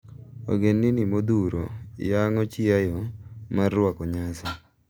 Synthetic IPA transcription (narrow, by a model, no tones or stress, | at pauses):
o̰ɡenːinimod̪uɾo̰jaŋɔt͡ʃɪajɔmarːwakɔɲasɔ